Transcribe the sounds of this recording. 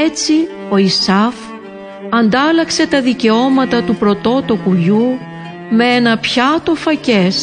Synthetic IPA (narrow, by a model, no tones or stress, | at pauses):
et͡si | o̞isɐf | ɐnd̪ɐlɐkse̞t̪ɐðice̞o̞mɐt̪ɐt̪upɾo̞t̪o̞t̪okuʎu | me̞enɐpçɐt̪o̞fɐce̞s